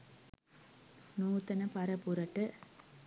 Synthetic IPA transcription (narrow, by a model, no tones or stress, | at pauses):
nuːt̪ɐnɐpɐɾɐpuɾɐʈːɯ